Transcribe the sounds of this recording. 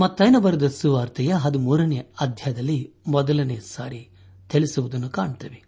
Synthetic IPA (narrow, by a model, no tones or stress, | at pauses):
mɐt̪ːɐjnɐbɐɾɐd̪ɐsuʋaːɾt̪ʰɐjɐɦɐd̪umuːɾɐneɐd̪ʱjɐjɐd̪ɐlːi | mɔd̪ɐlɐneːsaːɾi | t̪eɭisuʋud̪ɐnːukaːɳt̪ɐʋe